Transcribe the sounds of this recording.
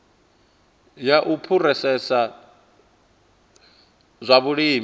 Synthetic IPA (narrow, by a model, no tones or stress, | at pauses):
jaʔupʰurɛsɛsa | zʷaβuɺiːm